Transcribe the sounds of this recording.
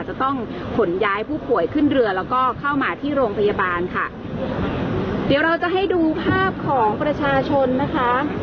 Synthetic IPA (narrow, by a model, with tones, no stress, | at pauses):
t͡ɕa˨˩t̪ɔ˥˩ŋ | kʰo˩˦njaː˦˥jpʰuː˥˩pʰu˨˩əjkʰɯ˥˩nɾɯ˧ɐlɛː˦˥wkɔː˥˩kʰa˥˩wmaː˧t̪ʰiː˥˩ɾoː˧ŋpʰa˧ja˧baː˧nkʰa˥˩ | di˩˦wɾa˧wt͡ɕa˨˩ɦa˥˩jduː˧pʰaː˥˩p̚kʰɔː˩˦ŋpɾa˧t͡ɕʰaː˧t͡ɕʰo˧nːa˦˥kʰa˦˥